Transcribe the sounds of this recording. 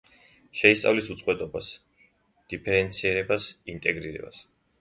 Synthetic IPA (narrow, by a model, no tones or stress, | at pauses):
ʃɛist̪sʼa̰vlisut̪sʼqʼwɛt̪ʼɔbas | d̪̥ipʰɛɾɛnt̪sʰiɛɾɛbasint̪ʼɛɡɾiɾɛ̰ba̰s